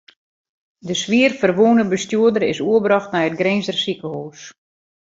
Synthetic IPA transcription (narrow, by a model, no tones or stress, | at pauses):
dəsʋiərfərʋunəbəstjuədəɾɪsuəbɾɑxtnɛjət̚ɡreːnzdərsikəhoːs